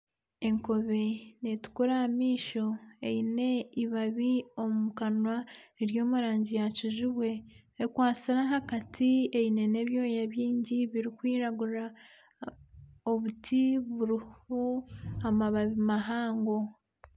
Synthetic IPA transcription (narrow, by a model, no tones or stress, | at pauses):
e̞ŋko̞βe̞netu̥kuɾahamiːʃo̞e̞̰ine̞iβaβio̞mumukanwaeɾjo̞ːmuɾaːɲɟijaciʒuβwe̞ | ekwaːt͡siɾaɦakatʰieine̞ne̞βjo̞ːjaβjiːɲɟiβiɾikwiːɾaɡuɾa | oβutʰiβuɾihoamaβaβimaɦaːŋɡo̞